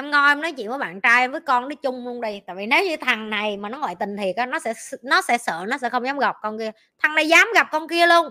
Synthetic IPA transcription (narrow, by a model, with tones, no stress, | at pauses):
ʔɛ˧mŋɔ˧ʔɛ˧mnɔ˨˦jt͡ɕḭ˧˨nvəː˨˦jɓa̰ː˧˨nt͡ɕaː˧jvəː˨˦jkɔ˧nɗə˨˦t͡ɕʊ˧ŋ͡mlu˧ənɗi˧jt̪a̰ː˧˨jvi˨˩ne˨˦wɲɨ˧t̪ʰa˨˩ŋna˨˩jmaː˨˩nɔ˨˦ŋwɔ̰ː˧˨jt̪ï˨˩ŋt̪ʰi˨˩ək̚ʔaː˨˧˥nɔ˨˦sɛ̰˧˥˧nɔ˨˦sɛ̰˧˥sə̰ː˧˨nɔ˨˦sɛ̰˧˥xə˧wŋ͡mzaː˨˦mŋ͡mɣa˨˩p̚kɔ˧nki˧ə | t̪ʰa˨˩ŋna˨˩jzaː˨˦mɣa˨˩p̚kɔ˧nki˧əlu˧ən